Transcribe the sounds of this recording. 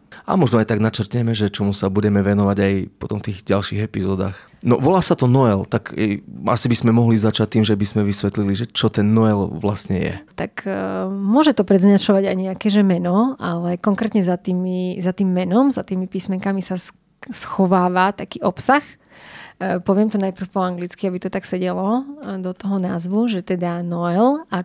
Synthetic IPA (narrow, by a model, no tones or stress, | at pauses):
a̰mɔʒnɔajt̪aɡnat͡ʃɛrt̪ɲɛmɛʒɛt͡ʃɔmusabuɟɛmɛʋɛnɔʋaɟajpɔt̪ɔmft̪iːɣɟalʃiːɣɛpizɔːd̪a̰ːx | nɔ̰ʋɔlaːsat̪ɔnɔɛlt̪akɛa̰sibizmɛmɔɦlizat͡ʃac̚t̪iːmʒɛbizmɛʋisʋɛt̪liliʒɛt͡ʃɔt̪ɛnːɔɛlʋlasɲɛ̰jɛ̰t̪akmʊɔʒɛt̪ɔpɾɛd̪zɲat͡ʃɔʋaɟajɲɛakɛʒɛmɛnɔalɛkɔŋkɾɛːt̪ɲɛzat̪iːmizat̪iːmːɛnɔmzat̪iːmipiːsmɛŋkamisas | sxɔʋaːʋat̪akiːʔɔpsax | pɔʋɪɛmt̪ɔnajpr̩fpɔaŋɡlit͡skiabit̪ɔt̪aksɛɟɛlɔd̪ɔt̪ɔɦɔnaːzʋuʒɛt̪ɛd̪anɔɛla